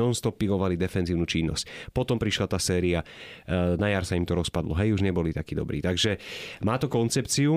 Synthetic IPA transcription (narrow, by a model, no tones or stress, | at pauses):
ɔnst̪ɔpiɡɔʋalid̪ɛfɛnziːʊnuːt͡ʃinːɔ̰scpɔt̪ɔmpɾiʃlat̪aːsɛːɾia | najaɾsaimt̪ɔɾɔspad̪lɔɦɛjuʒɲɛbɔlit̪akiːd̪ɔ̰bɾiːt̪aɡʒɛmaːt̪ɔkɔnt͡sɛpt͡siu